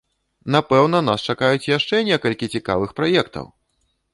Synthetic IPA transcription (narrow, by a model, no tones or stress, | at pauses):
napɛwnɐnast͡ʂakajut͡sʲjaʂt͡ʂɛnʲɛkɐlʲkʲit͡sʲika̰vɨxpɾajɛkt̪ɐ̰w